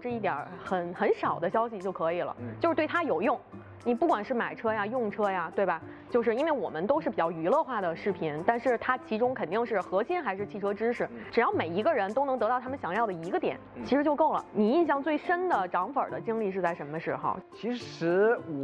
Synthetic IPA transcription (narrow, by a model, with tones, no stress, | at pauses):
ʈ͡ʂɻ̩˥˧i˥˩jə̰˞˨˧˥xə˧˩nxə˧˥nʂɑ˨˩ʊd̪ə˦ɕjɑ˥ʊɕi˨˧t͡ɕjo˥˩ʊkʰɤ˧˥i˨˩lə̰˦t͡ɕjo˥˧ʂɻ̩˥˧t̪wɪt̪ʰa˥jo˨˩ʊjʊ˥˩ŋ | ni˨˩pu˥˩kwa˨˩nʂɻ̩˥˩ma˨˩ɪʈ͡ʂʰɤ˥ja˧jʊ˥˩ŋʈ͡ʂʰɤ˥ja˨t̪we˥˩ɪbɐ˩ | t͡ɕjo˥˧ʊʂɻ̩˥˧i˥nwe˥˩ɪwɔ̰˨˩mə˦nt̪o˥ʊʂɻ̩˥˩pi˨˩t͡ɕjɑ˥˩ʊy˧˥lɤ˥˧xwa˥˩d̪ə˩ʂɻ̩˥˩pʰi˧˥nt̪a˥˧nʂɻ̩˥˩t̪ʰa˥t͡ɕʰi˧˥ʈ͡ʂʊ˥ŋkʰə˨˩nt̪i˥˧ŋʂɻ̩˥˩xɤ˧˥ɕi˥nxa˧˥ɪʂɻ̩˥˧t͡ɕʰi˥˩ʈ͡ʂʰɤ˥ʈ͡ʂɻ̩˥ʂɻ̩˥˩ʈ͡ʂɻ̩˨˩jɑ˥˩ʊme˨˩ɪi˧˥ɡə˧ɻə˧˥nt̪o˥ʊn˧˥ŋt̪ɤ˧˥t̪ɑ˥˩ʊt̪ʰmə˨˩ɕjɑ˧˩ŋjɑ˥˩ʊd̪ə˩i˧˥ɡə˧t̪jɛ̰˨˩˦nt͡ɕʰʂɻ̩˧˥t͡ɕjo˥˧ʊko˥˩ʊlə̰˩ni˨˩i˥˧nɕjɑ˥˧ŋt͡swe˥˩ɪʂə˥nd̪ə˨ʈ͡ʂɑ˧˥ŋfə̰˞˨˩d̪ə˦t͡ɕi˥ŋli˥˧ʂɻ̩˥˧t͡sa˥˩ɪʂə˧˥nmə˧ʂɻ̩˥˩xɑ̰˧˥t͡ɕʰi˧˥ʂɻ̩˧˥